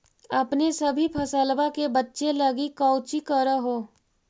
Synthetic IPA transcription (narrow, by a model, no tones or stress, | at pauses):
ɐpnesɐbʱipʰɐsəlbakebɐtːʃelɐɡikɔʊt͡ʃikəɾəɦoː